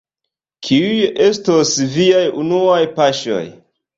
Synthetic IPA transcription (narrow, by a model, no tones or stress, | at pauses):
kʰiuje̞stosviajunuajpaʃo̰j